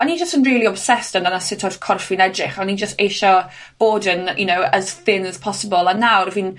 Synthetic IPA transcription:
anid͡ʒəstənriːlˠiɔb̥sɛstəndanasɪtʰɔrkʰɔrfinɛdrɪχɔnid͡ʒəsteːʃɔ | b̥oːdənjʔunowəz̥θɪnəz̥pʰɔsəbɔlˠanːawɾəvin

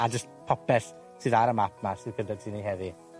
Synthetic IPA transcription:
ad͡ʒəstpʰɔpɛs | sʰɨːðaɾəmap̚ʰmasɨðkʰəndad̚tʰiːniɦɛði

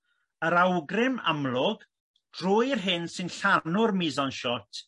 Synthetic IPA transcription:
əɾawɡrɪma̰mlˠʊɡ | d̥rʊjrɦɪnsɨnɬanʊrmizɔnʃɔtʰ

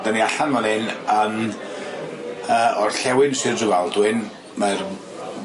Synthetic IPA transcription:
d̥əniaɬanmanɪnəm | əːɔrɬɛwɪnsɨrrɨvalˠdwɪn | mar

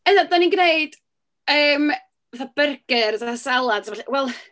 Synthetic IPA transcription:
əðadaninɡneɨd̥ | əːm | vɛθab̥ərɡ̥ɨrzasɛlˠadsɔɬɛwɛlˠ

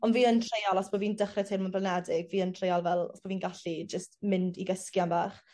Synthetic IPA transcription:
ɔnviːəntʰrejalˠɔsb̥oviːndəχrɛtʰejlˠnmʊnpʰlˠanɛdɪɡviːəntʰrejalˠvɛlˠɔ̰sb̥ɔviːnɡaɬid͡ʒəstmɪndiɡəskjanbaːχ

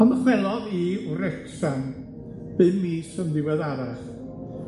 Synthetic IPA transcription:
ɔnəχwɛlˠɔðiɾɛksan | b̥ɨnmiːsəmðɪwɛðaɾaχ

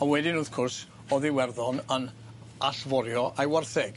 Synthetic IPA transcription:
awɛdɪnuðkʰʊrs | ɔðɪwɛrðɔnən | aɬvɔɾjɔʔajwarθɛɡ

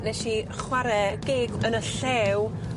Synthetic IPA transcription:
nɛʃi | χwaɾɛɡ̥eːɡənəɬɛw

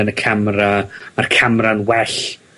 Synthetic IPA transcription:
ənəkʰamramarkʰamranwɛɬ

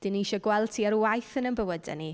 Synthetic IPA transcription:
d̥ɪniʃɔɡwɛlˠtʰiaɾwajθənənbəwədɛ̰ni

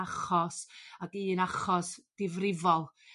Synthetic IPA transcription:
aχɔsaɡɨːnaχɔsd̥ɪvrɪvɔlˠ

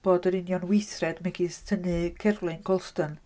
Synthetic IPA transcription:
b̥oːdəɾɪnjɔnwɪjθrɛdmɛɡistʰənɨkʰɛrlˠɪnɡʰɔlˠstən

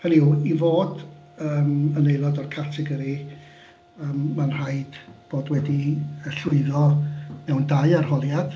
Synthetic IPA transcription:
haniwivoːd | əːmənejlˠɔdɔrkʰartʰɪɡəɾi | əːmːanr̥aɨd̥b̥oːdwɛdiəɬʊɨðɔmɛwndajarhɔlˠjad̥

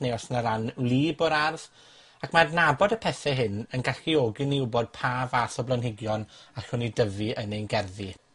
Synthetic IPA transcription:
neɔsnaɾanlˠiːbɔɾarð | akʰmarnabɔdəpʰɛθɛɦɪnənɡaɬioɡɨniʊbɔd̥̚pʰaːvaθɔblˠənɦɪɡjɔnaɬʊnidəvɨʔənejnɡɛrði

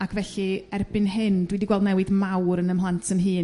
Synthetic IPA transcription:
akʰvɛɬɨɛrbɨnɦɨndwɪdiɡwɛlˠdnɛwɨðmawɾənəmhlˠantʰəmɦɨː

